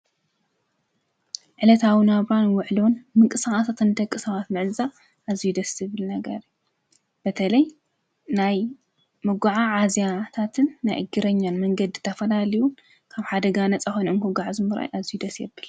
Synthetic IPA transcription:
ʕɨlɐt̪ʰawɨnaβanwʊʕlonmɨŋkʼɨsaχʼasat̪ʰɨnd̪ɐkʼːɨsɐβat̪mɨʕza | ʔazijud̪ɐsɨβɨlnɐɡɐɾju | b̥ɐt̪ʰɐlɐj | naj | mɨɡʷaʕaʕazijat̪ʰat̪ʰɨnːajʔɨɡɨɾɐɲːanmɐŋɡɐd̪ɨt̪ʰɐfɐlaliju | kʰaβħad̪ɐɡanɐt͡sʼaxonɨnkuɡaʕzɨmɨɾa̰jʔazijud̪ɐsjɛbːɨl

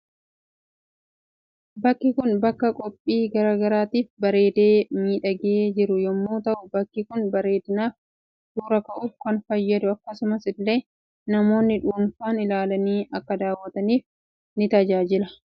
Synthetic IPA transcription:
bɐkːɪkʊnbɐkːɐkʼɔpʼːiːɡɐɾaːɡɐɾaːt̪iːfbɐɾe̞ːd̪e̞ːmiːᶑɐɡeːd͡ʒɪɾʊjɔmːoːt̪ɐʔʊbɐkːɪkʊnbɐɾe̞ːd̪ɪnaːf | d̪uːɾɐkɐʔuːfkɐnfɐjːɐd̪ʊɐkːɐsʊmɐsɪlːe̞ː | nɐmo̞ːnːɪᶑuːnfaːnɪlaːlɐniːʔɐkːɐd̪aːwːɐt̪ɐniːf | nɪt̪ɐd͡ʒaːd͡ʒɪlɐ

